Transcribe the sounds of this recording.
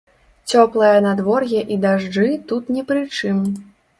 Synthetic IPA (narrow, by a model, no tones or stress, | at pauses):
t͡sʲɔplˠɐjɐnad̪vɔrjɛʔid̪aʐd͡ʐɨt̪ut̪nʲɛpɾɨt͡ʂɨm